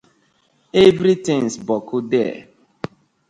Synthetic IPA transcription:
evɾitĩŋsbɔkʰʊdɛ

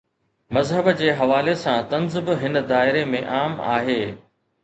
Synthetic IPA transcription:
mɐzɦəbd͡ʑeːɦɐʋaːlesãt̪ɐnzɪbɦɪnd̪aːɪɾemẽʔaːma̰ːɦeː

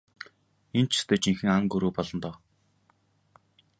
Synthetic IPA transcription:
ent͡ɕʰɪ̥st̪ʰeːt͡ɕiŋxɘ̆ŋaŋɡɵɾuːpɔɮɞ̆nt̪ɔː

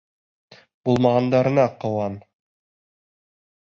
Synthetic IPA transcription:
b̥ulˠmɑʁɑnd̪ɑɾɤ̆nɑqɤ̆wɑn

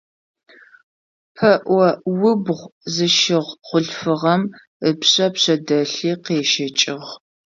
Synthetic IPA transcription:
pʰɐʔʷɔwʊbʁʷzɨʃɪʁχʷʊɬfɨʁɐm | əpɕʼɐpɕɐdɐɬiːqeːʃɐt͡ʃʼɪʁ

